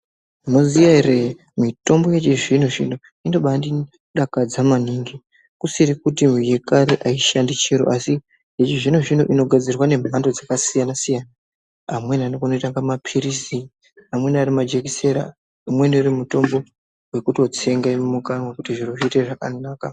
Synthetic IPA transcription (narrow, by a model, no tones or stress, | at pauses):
nozijaere | mito̞mbo̞je̞t͡ʃiʐin̤uʐḭn̤u | indoɓandi | ɗakad͡zamaniŋɡi | kusiɾikutimwije̞kaɾeʔaiʃandit͡ʃeɾo̰ʔasi | jet͡ʃiʐin̤uʐin̤ṵʔino̞ɡʱad͡zirwane̞m̤ʱandod͡zakasijanasijana | amwe̞nianokanoitaŋɡamapʰirisi | amwe̞niarimad͡ʒe̞kiseɾa̰ | umwe̞niurimuto̞mbo̞ | we̞kuto̞t͡se̞ŋɡamumukanwakutiʐiroʐiiteʐakanaːka